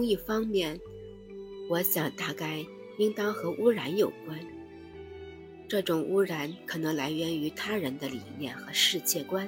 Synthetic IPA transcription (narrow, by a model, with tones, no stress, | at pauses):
ŋi˥˩fɑ˥ŋmjɛ˥˩n | wɔ˧˥ɕjɑ˨˩ŋt̪a˥˧ka˥˩ɪ | i˥ŋt̪ɑ˥ŋxɤ˧˥ʔu˥ɻa˧˥njo˨˩ʊkwa˥n | ʈ͡ʂɤ˥˩ʈ͡ʂʊ˨˩ŋʔu˥ɻa˧˥nkʰɤ˨˩nɤ˧˥ŋla˧˥ɪɥɛ˧˥ny˧˥t̪ʰa˥ɻə˧˥nd̪ə˧lḭ˨˩njɛ˥˩nxɤ˧˥ʂɻ̩˥˧t͡ɕjɛ˥˩kwa˥n